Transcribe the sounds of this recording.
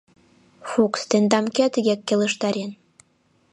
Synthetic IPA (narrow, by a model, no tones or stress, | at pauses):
fukst̪end̪ɑmkeɑt̪əɣekːelə̆ʃt̪ɑɾen